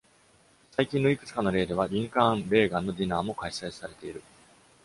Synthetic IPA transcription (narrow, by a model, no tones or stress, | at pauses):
saikʲĩnːo̞ikɯ̟̥t͡sɨ̥kano̞ɾe̞ːd̪e̞β̞aɾʲĩŋkãnɾe̞ːɡãnːo̞d̪ʲinaːmo̞kaisaisaɾe̞t̪e̞iɾɯ̟